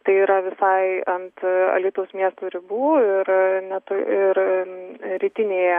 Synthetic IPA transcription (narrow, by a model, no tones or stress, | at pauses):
t̪ɐɪiːɾɐʋʲɪsɐɪɐnt̪ɐ̰lʲiːt̪ʊʋosmʲiɛst̪uːɾʲɪbuːɪɾnʲɛt̪ʊɪɾ | ɾʲiːt̪ʲɪnʲeːjɛ